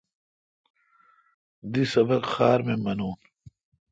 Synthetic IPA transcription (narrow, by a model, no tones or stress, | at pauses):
d̪isɐbɐkxaːɾmemɐnuːn